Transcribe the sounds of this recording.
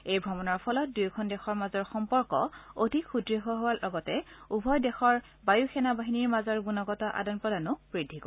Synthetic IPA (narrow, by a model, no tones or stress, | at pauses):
ejbʱɹɔmɔnɔɹpʰɔlɔt̚dujkʰɔndɛxɔɹmazɔɹxɔmpɔɹkɔ̰odʱikxudɹiɦoɦowalɔɡɔtɛubʱɔjdɛxɔɹ | bajuxɛnabaɦiniɹmazɔɹɡunɔɡɔtɔʔa̰dɔnpɹɔdanʊb̥ɹidʱikɔ